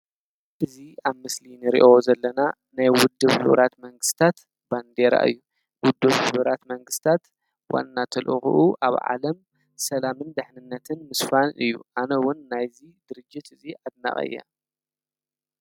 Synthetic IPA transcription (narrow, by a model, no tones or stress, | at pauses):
ʔɨziaβmɨslinɨɾḭʔozɐlːɐna | najwʊd̪ːɨβħɨ̰βɾʔat̪mɐŋɡɨst̪ʰat̪ | band̪eɾa̰ʔɨ̰jːu | wʊd̪ːɨβħɨβɾat̪mɐŋɡɨst̪ʰat̪ | wʔa̰nːat̪ʰɐlʔɨ̰xṵʔuʔaβʕa̰lɐm | sɐlamɨnd̪ɨħnɨnːɐt̪ʰɨnmɨsfanɨ̰jːṵʔanɐwʊnːajzid̪̥ɨɾɨd͡ʒːɪt̪ɨziʔad̪na̰χʼɐ̰jːa̰